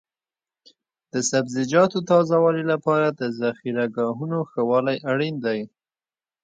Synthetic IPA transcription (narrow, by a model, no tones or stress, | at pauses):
d̪̥əsabzɪd͡ʒɑt̪ot̪ɑzawɑlilapɑɾad̪əzaxiɾaɡɑɦunoxawɑlajaɽind̪aj